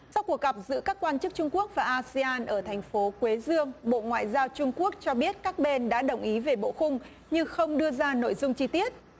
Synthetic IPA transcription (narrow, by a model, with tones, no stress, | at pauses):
sa˧wku˨˩ək̚ɣə˨˩p̚zɨ̰˧˥kaː˦˥kːwaː˧nt͡ɕɨ˦˥k̚t͡ɕʊ˧ŋ͡mku˦˥ək̚vaː˨˩ʔaː˧si˧aː˧nʔəː˧˩t̪ʰɛ˨˩jŋ̟fo˨˦kwe˨˦zɨ˧əŋɓo̰˧˨ŋwa̰ː˧˨jzaː˧wt͡ɕʊ˧ŋ͡mku˦˥ək̚t͡ɕɔ˧ɓi˦˥ət̚kaː˦˥k̚ɓe˧nɗa̰ː˧˥ɗə˨˩wŋ͡mʔi˨˦ve˨˩ɓo̰˧˨xʊ˧ŋ͡m | ɲɨ˧ŋxə˧wŋ͡mɗɨ˧əzaː˧no̰˧˨jzʊ˧ŋ͡mt͡ɕi˧t̪i˦˥ət̚